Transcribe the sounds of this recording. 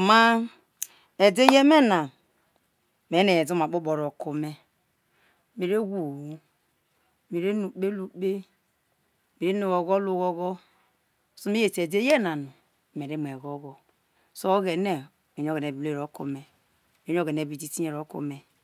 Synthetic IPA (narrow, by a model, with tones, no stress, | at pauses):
ma˦ | e˨de˦je˦me˦na˨ | me˨˦ne˨zu˦ma˨ɓu˦ɓo˨ɾo˨ku˨me˦ | me˨ɾe˦ɡu˨u˦ | me˨ɾe˦nu˨k͡pe˦lu˦k͡pe˦ | me˨ɾe˦nu˨ɣo˨ɡo˦lu˦ɣo˦ɡɔ˦ | so˦me˦je˨te˨de˦je˦na˨nu˨ | me˨ɾe˦m˨e˨ɡo˦ɡo˨ | so˦ɣe˨ne˨ | me˨n˦ɡe˨ne˨ble˦˨ɾo˨˦kṵ˨me˨ | e˨˦o˦˨ɡe˨ne˨˦˨bi˨d͡ʒi˦ti˦je˨ɾo˨˦kṵ˨me˨